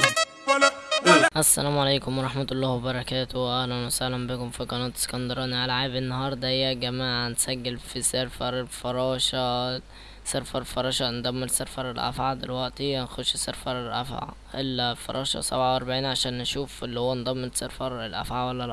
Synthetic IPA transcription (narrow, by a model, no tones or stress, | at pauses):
ʔæsːæ̰læːmʕalaːkʊmwɑɾˤɑħmat̪ɑlˤːɑːhwebɑɾˤɑkæːt̪owʔæhnænʊsahlæmbɪkʊmfikɑnɑːt̪ɪ̥skɑnd̪ɑɾˤɑːniʕalæʕaːbɪnːɑhɑːɾˤd̪ˤæhɪjːæɡæmaːʕnsæɡːɪlfiseɾfɑɾˤlfɑɾˤɑːʃɑ | seɾfɑɾˤfɑɾˤɑːʃɑnd̪ˤɑmːɪlseɾfɑɾˤɪlʔæ̰fʕad̪ɪlwæʔt̪inxʊʃːseɾfɑɾˤɪlʔæ̰fʕa̰ | ʔɪlːæfɑ̰ɾˤɑːʃɑ̰sæ̰bʕawʔɑɾˤbaʕiːnʕaʃæːnːʃuːfɪlːihowːand̪ˤɑmːelseɾfɑɾˤɪlʔæ̰fʕawælːæl